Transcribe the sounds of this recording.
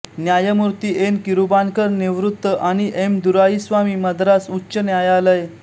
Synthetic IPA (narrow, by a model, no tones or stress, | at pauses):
njajəmuɾt̪iːʔenkiɾubankəɾniʋɾut̪ːəʔaɽ̃iʔemd̪uɾaisʋamiːməd̪ɾasutːɕənjajaləj